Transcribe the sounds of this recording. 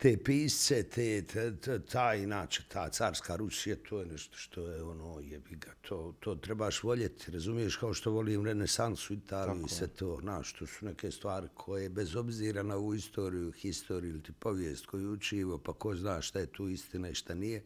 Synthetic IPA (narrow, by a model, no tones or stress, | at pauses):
t̪eːpiːsset̪ʰeː | t̪ʰaːinaːt͡ʃe̥t̪ʰaːt̪saːɾskaːɾusijat̪ʰoːjenɛʃt̪o̥ʃt̪ʰo̞jeo̞noːjebiɡat̪ʰoːt̪ʰoːt̪ɾebaːʃʋo̞ʎet̪ʰi̥ɾazumije̞ʃkao̞ʃt̪o̞ʋo̞liːmɾenesansuit̪ʰaːlijuisʋet̪ʰoːnaːʃt̪o̞su̥nekeːst̪ʋaːɾikʰojebezo̞bziːɾanao̞ʋuːist̪ʰo̞ːɾijuxist̪o̞ːɾiuilt̪ipo̞ʋjeːst̪kʰo̞juut͡ʃiːʋopako̞znaːʃʃt̪ajet̪ʰuːist̪inaiʃt̪anije